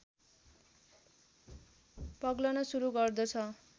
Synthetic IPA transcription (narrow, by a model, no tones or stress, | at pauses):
pʌɡlʌnʌsuɾuɡʌrd̪ʌt͡sʰʌ